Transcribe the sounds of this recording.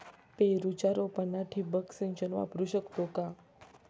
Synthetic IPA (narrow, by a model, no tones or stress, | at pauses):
peɾut͡ʃaɾopənaʈʰibəksint͡ʃənʋa̰pɾuʃəkt̪oka